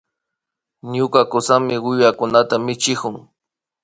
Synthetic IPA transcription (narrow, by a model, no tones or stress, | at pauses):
ɲʊkakʊsamɪwɪjakʊnat̪amɪt͡ʃɪkʊŋ